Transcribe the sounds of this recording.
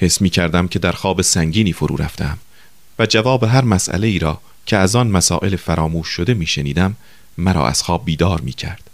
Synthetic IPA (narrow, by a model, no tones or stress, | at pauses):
he̞smiːcʰæɾd̪æmcʰe̞d̪æɾxɒːbesæŋɟiːniːfoɾṵːɾæ̰ft̪ʰeæm | væd͡ʒævɒːbeɦæɾmæsʔæ̰le̞iːɾɒː | cʰeæzɒːnmæsɒ̰ːʔe̞lefæɾɒːmuːʃːod̪e̞miːʃenḭːd̪æmː | æɾɒ̰ːʔæ̰z̥xɒːb̚ːiːd̪ɒːɾmḭːcʰæ̰ɾd̪̥